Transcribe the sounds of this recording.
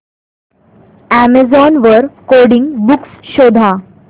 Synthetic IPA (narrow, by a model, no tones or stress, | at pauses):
æmezɔnʋəɾkoɽĩŋɡbuksɕod̪ʱa